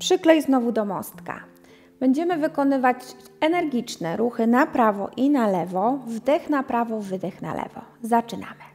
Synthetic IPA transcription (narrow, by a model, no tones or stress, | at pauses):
pʂɘklɛjznɔvud̪ɔmɔ̰st̪ka̰ | b̥ɛɲd͡ʑɛmɘvɘkɔnɘvat͡ɕ | ɛnɛɾɡʲit͡ʂnɛɾuxɘnapɾavɔ̰ʔinalɛvɔvd̪ɛxnapɾavɔvɘd̪ɛxna̰lɛ̰vɔ̰zat͡ʂɘna̰mɘ̥